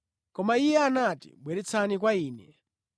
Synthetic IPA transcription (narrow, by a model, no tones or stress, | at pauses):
kɔmaijɛanatḭɓwɛɾɛt͡sʰanikwaiːnɛ